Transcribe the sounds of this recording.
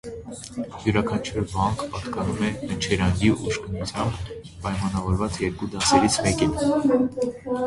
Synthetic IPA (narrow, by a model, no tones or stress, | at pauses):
juɾɑkʰɑnt͡ʃʰuɾvɑŋkʰpɑt̪kɑnumɛənt͡ʃʰɛɾɑŋɡiʔuʃkənut͡sʰjɑmb | pɑjmɑnɑvɔɾvɑt͡sjɛɾkud̪ɑsɛɾit͡sʰmɛkin